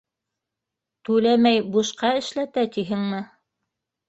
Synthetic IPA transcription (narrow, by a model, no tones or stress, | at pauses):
t̪ʉlæmæjbuʃqɑɘ̆ʃlæt̪æt̪iɦɘŋmɘ